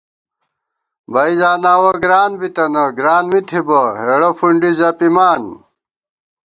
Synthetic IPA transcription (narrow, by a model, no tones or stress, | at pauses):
bɐizaːnaːwɐɡɾaːnbit̪ɐnɐɡɾaːnmit̪ʰibɐɦeːɽɐfuɳɖizaːpimaːn